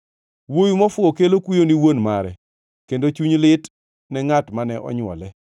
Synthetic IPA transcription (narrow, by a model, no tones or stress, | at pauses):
wojumɔfʊokelokwijoniwonmaɾɛ̰ | kendot͡ʃuɲlɪt | nɛŋatmanɛʔɔ̰ɲwɔ̰lɛ